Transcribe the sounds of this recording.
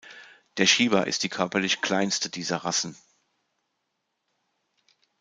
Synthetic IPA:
d̥eːɐʃiːbɐʔɪ̰st̚d̥iːkʰœɐpɐlɪçkʰl̥aɪnstədiːzɐʁasn̩

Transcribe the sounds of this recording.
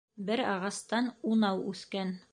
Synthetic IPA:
bɘɾɑ̰ʁɑst̪ɑnunɑwʉθkæn

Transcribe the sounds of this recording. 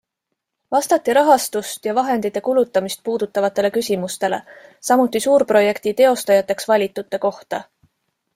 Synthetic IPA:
vɑst̪ɑt̪ˑːiɾɑɦɑst̪ust̪jɑvɑɦe̞nd̪̥it̪ːˑe̞kulut̪ˑːɑmist̪̚puːd̪̥ut̪ːˑɑvɑt̪ːˑe̞le̞kysʲimust̪e̞le̞̰sɑmut̪ːˑisuːɾpro̞je̞kt̪it̪e̞o̞st̪ɑjɑt̪ːˑe̞ksvɑlʲit̪ːˑut̪ːˑe̞ko̞ht̪ɑ

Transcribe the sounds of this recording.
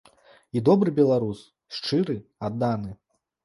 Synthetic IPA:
id̪ɔbɾɨbʲɛlˠaɾus | ʂt͡ʂɨɾɨad̪ːanɨ

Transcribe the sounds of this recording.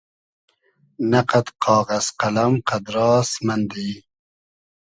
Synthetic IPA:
naqat̪qɑːɣaz̥qalamqad̪ɾɑːsmand̪e

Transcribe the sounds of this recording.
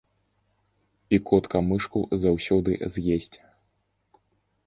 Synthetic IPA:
ikɔt̪kɐmɨʂkuzawsʲɔd̪ɨ̰zʲjesʲt͡sʲ

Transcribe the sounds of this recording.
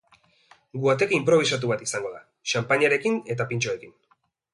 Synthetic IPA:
ɡuat̪e̞kimpɾo̞β̞isat̪̬uβat̪isaŋɡo̞ða | ʃampaɲaɾe̞kine̞t̪apint͡ʃoe̞kin

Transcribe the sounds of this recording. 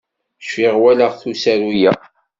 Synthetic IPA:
ʃfiʁwæləʁθusæɾujæ

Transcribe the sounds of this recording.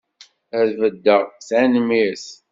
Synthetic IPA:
æðvəd̪ːəʁθænmis

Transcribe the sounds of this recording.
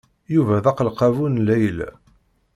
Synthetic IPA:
juvæðɑqəlqɑvunlæjəl

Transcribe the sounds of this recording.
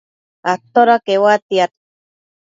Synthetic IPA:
at̪oɾakewat̪iat̪

